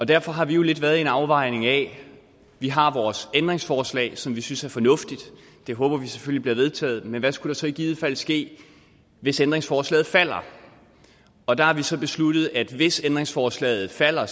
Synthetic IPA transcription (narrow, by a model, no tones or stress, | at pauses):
ɒ̽d̥æɐfɒ̽ɦɑ̈ʋijo̝le̝d̥ʋæːɐð̩ˠe̝nɑ̈ʊʋɑ̈ɪ̰ne̝ŋɛ | ʋiɦɑ̈ʋɒːsend̥ʁeŋsfɒːslɛ̰ːɪsɒ̽mʋisynsæɐfɒ̽nɔ̽fd̥id̥ | d̥e̝ɦɔ̽ːb̥ɐʋise̥følib̥liɐʋe̝ðˠt͡sʰɛ̰ːð̩ˠmenʋæsɡ̥uɾ̥ɑ̈sɒ̽eɡ̥iːð̞̩ˠfæl̰sɡ̥e̝̰ː | ʋe̝send̥ʁeŋsfɒːslɛ̰ːð̩ˠfæl̰ɐ | ɒ̽d̥ɑ̈hɑ̈ʋisɒ̽b̥e̝slud̥ð̩ˠæd̥ʋe̝send̥ʁeŋsfɒːslɛ̰ːð̩ˠfæl̰ɐ